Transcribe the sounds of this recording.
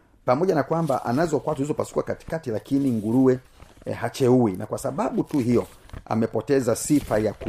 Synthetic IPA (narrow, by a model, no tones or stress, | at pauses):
pamɔʄanakwamba̰ʔa̰nazɔkwatuhizɔpasu̥kwakati̥katilakiniŋɡuɾuwɛ | hat͡ʃɛuinakwasaɓaɓutuhijɔa̰mɛpɔtɛzasifajaku